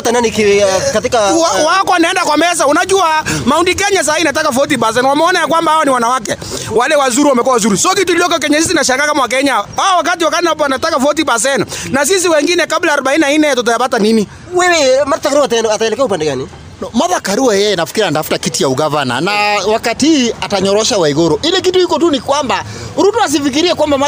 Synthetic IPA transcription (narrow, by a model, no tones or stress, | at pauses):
tananikikatikaawakɔanaɛndakwamɛs̬aunad͡ʒuamaundik̬ɛɲas̬ainat̬akafɔt̬ibas̬ɛnwamɛɔnajak̬wambahaɔniwanawak̬ɛ | walɛwazuɾiwamɛk̬uawazuɾisɔkit̬uliɔkɛk̬ɛɲasis̬inaʃaŋɡakamawak̬ɛɲawaɔwak̬at̬iwakatawanatakafɔt̬ibas̬ɛnnas̬is̬iwɛŋɡinɛkablaːɾɔɓainiainɛjat̬ɔt̬ɔjabatanini | wɛwɛmatatakaɾuatnataɛlɛkɛaupandɛɣani | nɔmaðakaɾuwajɛjɛnafi̥kiɾiantafu̥takitijauɣavana̰nawakatiiataɲɔɾɔʃawaiɣɔɾɔʔilɛk̬ituhikɔtunikwamba | ɾutuas̬ifik̬iɾiɛkwambama